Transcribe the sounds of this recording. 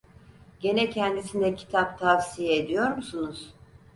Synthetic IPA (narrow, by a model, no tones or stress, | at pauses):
ɟ̥e̞nɛcʰɛnd̪isind̪ɛcʰi̥t̪ʰap̚t̪ʰafsijɛed̪ijo̞ɾmusunuz̥